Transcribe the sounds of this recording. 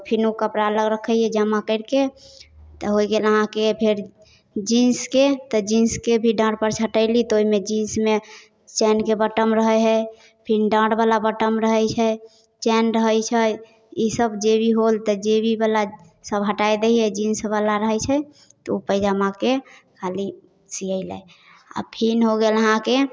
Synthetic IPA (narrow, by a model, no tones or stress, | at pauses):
pʰinukəpɾaləɡɾəkʰəjɛd͡ʒəmakəɪɾke | t̪ɔɦojɡeləɦãkepʰeɾ | d͡ʒĩnsket̪ɔd͡ʒinskebʱiɖə̃ɽpəɾt͡ʃʰəʈəɪlit̪ɔoimed͡ʒĩnsme | t͡ʃɛnkebəʈəmɾəɦɛɦɛ | pʰinɖə̃ɽbalabəʈəmɾəɦət͡ʃʰɛ | t͡ʃɛnɾəɦət͡ʃʰə | isəbd͡ʒebʱiɦolt̪ɔd͡ʒebʱibala | səbɦəʈajd̪eiɛd͡ʒĩnsbalaɾəɦət͡ʃʰɛ | t̪ɔopəɪd͡ʒamakekʰali | siəɪlə̰j | a̰pʰinɦoɡeləɦãke